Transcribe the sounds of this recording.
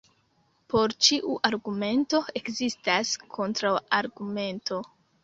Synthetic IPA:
po̞ɾt͡ʃiʔuʔaɾɡume̞nto̞e̞kzistaskʰo̞ntɾawaɾɡume̞nto̞

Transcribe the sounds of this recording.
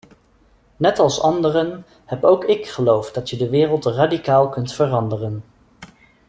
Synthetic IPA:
nɛtɑlˠsɑndərən | hɛpowkɪkχəlowfdɑtjədəʋɪːrəlˠtraːdikaːlˠkɵntfərɑndərən

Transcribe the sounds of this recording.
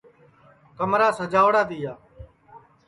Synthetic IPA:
kəmɾaːsəd͡ʒaːʋɽaːt̪iːjaː

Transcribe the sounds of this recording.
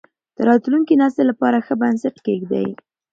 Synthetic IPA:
d̪̥əɾɑt̪luŋkinɑst̪elapɑɾaxəbansɪʈkeɡd̪a̰j

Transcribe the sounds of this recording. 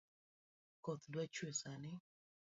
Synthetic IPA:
kɔt̪dwat͡ʃwesanɪ

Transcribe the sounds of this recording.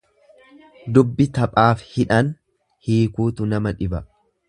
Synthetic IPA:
d̪ʊbːɪt̪ɐpʼaːfhɪᶑɐn | hiːkuːt̪ʊnɐmɐᶑɪbɐ

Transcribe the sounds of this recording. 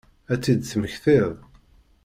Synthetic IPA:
æt͡sːid̪θməçθɪðˤ

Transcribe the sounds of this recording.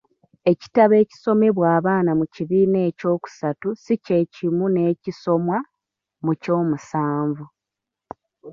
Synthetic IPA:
e̞ci̥taβe̞ːci̥so̞me̞βwaːβaːnamuciβiːne̞ːco̞ːku̥satusice̞cimune̞ːciso̞mwa | muco̞ːmusaːɱvu

